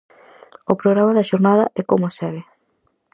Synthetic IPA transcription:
opɾoɣɾamaðɐʃoɾnaðɐʔɛkomosɛβe

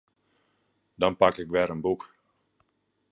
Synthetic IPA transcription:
dɔnpakɪkʋɛɾənbuk

